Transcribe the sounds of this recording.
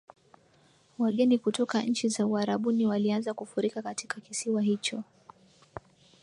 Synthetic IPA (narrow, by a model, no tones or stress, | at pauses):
waɠɛnikutɔkaɲ̩t͡ʃizauaɾaɓuniwalianzakufuɾikakati̥kakisiwaɦit͡ʃɔ